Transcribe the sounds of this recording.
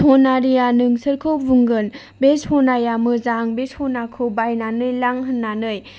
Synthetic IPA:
honaɾijanɯŋsɯɾkʰowvuŋɡɯn | beshonajamɯzaŋbeshonakʰɯbajnanɯjlaŋɦɯnːanɯj

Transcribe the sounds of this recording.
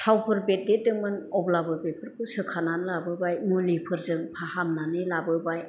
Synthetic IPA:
sʰawpʰɯɾbet̚dedɯŋmɯnɔblabɯbepʰɯɾkʰɯsɯkʰananlabɯbajmulipʰɯɾzɯŋpʰahamnanɯlabɯbaj

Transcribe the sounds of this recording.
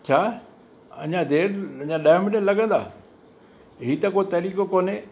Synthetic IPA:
t͡ɕʰaː | ɐ̰ɲãd̪eːɾɐɲãɗaːmɪnelɐɡə̃nd̪a̰ː | ɦit̪ɐkoːt̪ɐɾiːkokoːne

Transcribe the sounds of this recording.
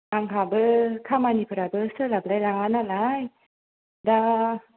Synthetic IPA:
ʔaŋkʰabəkʰamanipʰɯɾabəsəlab̚lajlaanalaj | da

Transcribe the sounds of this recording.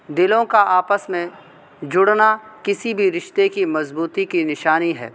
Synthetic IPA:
d̪ɪlõkaʔaːpəsmẽ | d͡ʒʊɽnakɪsibʱiɾɪʃt̪ekimɐzbuːt̪ikinɪʃaːniɦɛ̰ː

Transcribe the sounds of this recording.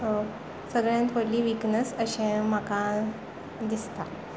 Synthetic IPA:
səɡɭjãnt̪ʰoɽliːʋiknəsəɕɛ̃m̤akã | d̪ist̪a

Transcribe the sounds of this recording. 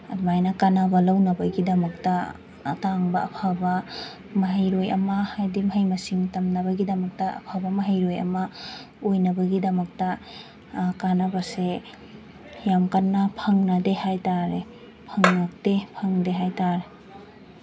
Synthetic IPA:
ɐdmajnakanabɐlawnɐbɐɡidɐmɐk̚taː | taŋbɐɐpʰabɐ | mɐɦɐjɾojɐ̰mɐhajdimɦɐjmɐsiŋtɐmnɐbɐɡidɐmɐk̚tɐ̰ːpʰabɐmɐɦɐjɾojɐ̰mɐ | ojnɐbɐɡidɐmɐk̚tɐ | kanabase | jamkanːapʰɐŋnɐdehajtaɾe | pʰɐŋnak̚tepʰɐŋdeɦajtaɾe

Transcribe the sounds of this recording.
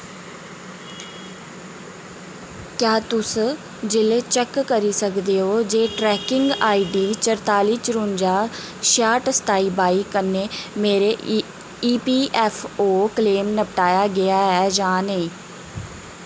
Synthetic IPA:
kjaːt̪ʊs | d͡ʒɪleːt͡ʃəkːəɾiːsəkd̪eːɦoːd͡ʒeːʈɾɛːkɪŋɡaːiːɖiːt͡ʃəɾt̪aːliːt͡ʃəɾʊnd͡ʒaː | ʃaːʈst̪aːiːbaːiːkənːeːmeːɾeː | iːpiːʔɛːfʰoːkəleːmnəpʈaːjaːɡɪaːɦɛːd͡ʒãːnəĩː

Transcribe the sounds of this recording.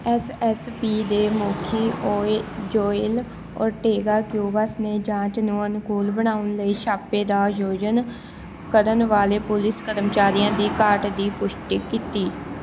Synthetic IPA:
ɛsɛspiːd̪eːmoːkʰiːʔoːd͡ʒoːɪl | ɔ̰ːɾʈeːɡaːkjuːbasneːd͡ʒãːt͡ʃnũːənkuːlbəɳ̃aːʊnləiːʃʰaːpeːd̪aːd͡ʒoːd͡ʒən | kəɾənʋaːleːpʊlɪskəɾəmt͡ʃaːɾɪjãːd̪iːkaːʈd̪iːpʊʃʈikːiːt̪iː

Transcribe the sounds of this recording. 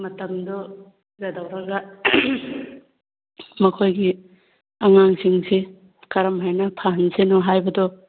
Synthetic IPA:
mɐtɐmd̪ɔ | ɡɐdɐwɾɐɡɐ | mɐkʰojɡi | ɐŋaŋsiŋsi | kɐɾɐmɦajnɐpʰaɦɐnsenɔɦajbɐdɔ

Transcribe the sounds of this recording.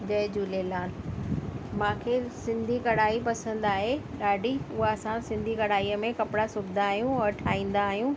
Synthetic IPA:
d͡ʑɐd͡ʑuːlelaːl | mãːkʰesɪ̃nd̪ʱikɐɽaːipɐsə̃nd̪aːɦeɗaːɖʱiʊɦaɐsãsɪ̃nd̪ʱikɐɽaːiːəmẽkɐpɪɽasʊbʱɪd̪aːɦijũɔɾʈʰaːĩːn̆d̪aːɦijũ

